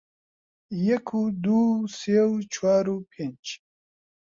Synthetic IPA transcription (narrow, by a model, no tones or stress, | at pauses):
jakʰud̪usewt͡ʃʰwaːɾupʰent͡ʃ